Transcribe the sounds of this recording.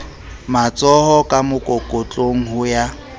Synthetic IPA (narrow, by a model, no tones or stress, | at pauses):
mat͡sʼɔhɔkʼamʊkʼokʼot͡ɬʼoŋ̩ɦʊja